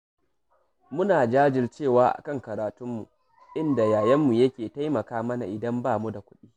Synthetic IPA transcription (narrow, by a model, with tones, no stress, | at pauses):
mʊ˦naː˨d͡ʒaː˦d͡ʒɪ˨rt͡ʃeː˦˨waː˦ʔa̰˨kɐ˦˨ŋkɐ˨ɾaː˨tʊ˦mːṵ˨ | ʔɪ˦nda˨jaː˨jɐ˦mːu˨jɐ˦kʲeː˨ta˦jmɐ˨kaː˦mɐ˦na˨ʔɪ˨dɐ˦mbaː˦˨mu˦da˨kʷʊ̥˦ɗiː˦